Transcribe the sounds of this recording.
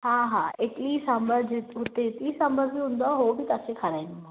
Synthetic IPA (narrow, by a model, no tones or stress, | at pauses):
ɦaɦaeʈlisəmbəɾd͡ʑ̪ɦʊt̪et̪isɐ̃mbəɾd͡ʑiɦũːn̆d̪aɦobɪt̪asẽkʰɐɾaːĩnd̪a